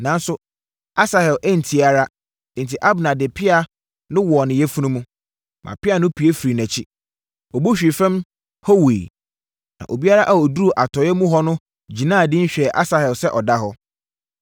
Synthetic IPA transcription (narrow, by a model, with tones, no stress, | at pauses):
nã˨˦n˦sʊ˦ | a˦sa˨hɛ˨lʔæ˦n̩˨tʰi˨a˨ɾã˦˨ | n̩˨tʰi˨ʔa˦bnã˨dɪ˨pʰɪ˦a˨ | nʊ̃˦wɔ˨nɪ̃˨jɛ˦fu˦nũ˦mũ˦ | mʔã̰˨pɪ˦a˨nʊ̃˦pʰi˨e˦fɾi˨næ̃˨t͡ɕʰi˦ | ɔ˨bo˦ɕᶣi˨fɛ̃˦m | ho˦wḛː˨ | nã̰˨ʔo˨bi˦a˦ɾa˦ʔa˦ɔ˨du˦u˨ʔa˨tʰɔ˨˦ɛ˦mũ˦ɦɔ˦nʊ̃˦ | d͡ʑi˨nã˦˨dɪ̃˦ɲ̩˦ɕᶣɛ˨ʔa˦sa˨hɛ˨lsɛ˦ʔɔ˨da˦ɦɔ˦